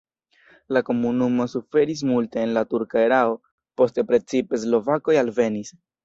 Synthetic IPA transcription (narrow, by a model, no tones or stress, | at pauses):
lako̞munumo̞sufe̞ɾis̬multe̞ːnlatuɾkaeɾao̞ | po̞ste̞pɾe̞t͡sipe̞s̬lo̞vako̞jalve̞nis